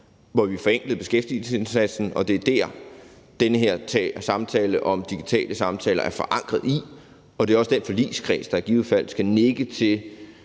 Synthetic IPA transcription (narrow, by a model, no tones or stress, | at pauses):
ʋɒʋifɒ̽eŋ̰ɡ̥lð̩ˠb̥e̝sɡ̥efd̥il̩səse̝nsæd̥sn̩ɒ̽d̥e̝æɐd̥æɐ̰ | d̥enəɦeɐ̰t͡sʰɛsɑ̈mt͡sʰɛːləʔɒ̽md̥iɡ̥it͡sʰɛ̰ːləsɑ̈mt͡sʰɛ̰ːlɐʔæɐfɒ̽ʔɑ̈ŋ̰ɡ̥ʁɐðˠi | ɒ̽d̥e̝æɐɒ̽səd̥enfɒ̽lḭːskʰʁɛ̰ːsd̥ɑæɐɡ̥iːfæl̰sɡ̥æneɡ̥ət͡sʰe̝l